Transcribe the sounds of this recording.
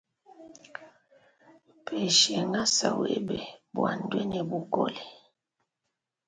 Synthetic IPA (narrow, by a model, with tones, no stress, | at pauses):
pʰɛ˨ʃɛ˨ŋa˦sa̰˨we˦bɛ˨bwa˨n˨dwɛ˦nɛ˨bu˦kɔ̰˦li˨